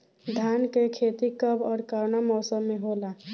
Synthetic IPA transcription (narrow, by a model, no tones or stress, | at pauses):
d̪ʱankekʰet̪ikəbɔːɾkaɾnamɔːsəmːeɦola